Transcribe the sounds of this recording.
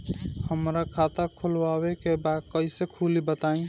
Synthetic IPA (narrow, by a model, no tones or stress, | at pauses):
həmɾakʰat̪akʰulwaβekebaɡ̚kəjsekʰulibət̪aĩ